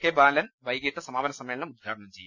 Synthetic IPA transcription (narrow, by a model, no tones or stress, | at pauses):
keːbaːlɐnʋɐjɡit̪ːɐsɐmaːbɐnɐsɐmeːlɐnɐmud̪̚ɡʱaːɽɐɳɐmt͡ɕḛjːu